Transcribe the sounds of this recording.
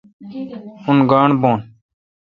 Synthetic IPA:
ʊnɡaːɳboːn

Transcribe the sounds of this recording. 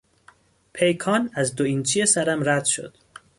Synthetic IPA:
pʰejkʰɒːnæzd̪oint͡ʃʰiesæɾæmɾæd̪̥ʃo̰d̪̥

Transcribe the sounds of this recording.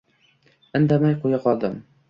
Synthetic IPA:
ɘ̆nd̪amajqujɑqɒlˠd̪ɤm

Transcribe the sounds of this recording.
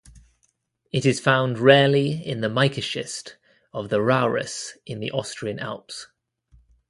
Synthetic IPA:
ɪtɪz̥fãʊ̃ndɹɛːliɪ̃nðəmaɪkəʃɪ̰st | əvðəɹaʊɹə̰sɪ̃nðḭʔɒstɹ̥iə̃na̰lˠps

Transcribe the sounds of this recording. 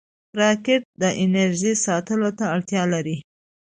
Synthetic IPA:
pɾɑkɪʈ̚d̪əʔɪnaɾʒisɑt̪əlot̪aːɽt̪jɑlaɾi

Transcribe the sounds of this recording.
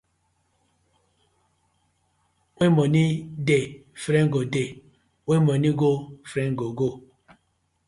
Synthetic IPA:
wemɔnidefɾeŋɡode | wemɔniɡofɾeŋɡoɡo

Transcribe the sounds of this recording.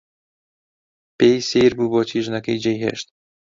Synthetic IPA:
pejseːɾbuːbɔːt͡ʃʰiːʒnɐkejd͡ʒejɦḛʃt̪̚

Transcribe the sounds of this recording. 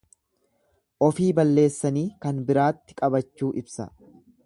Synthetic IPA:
ʔɔfiːbɐlːe̞ːsːɐniːkɐnbɪɾaːt̪ːɪ̥kʼɐbɐt͡ʃːuːʔɪbsɐ̰

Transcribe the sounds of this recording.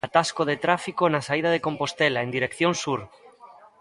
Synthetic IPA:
at̪askoðet̪ɾafikonasaið̞aðekõmpost̪elaend̪iɾekθjonsuɾ

